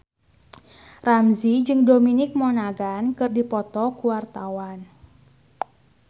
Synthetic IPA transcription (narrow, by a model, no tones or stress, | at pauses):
ramzid͡ʒɨŋdominɪk̚mɔnaɡankɨrdipɔt̪ɔkuwart̪awan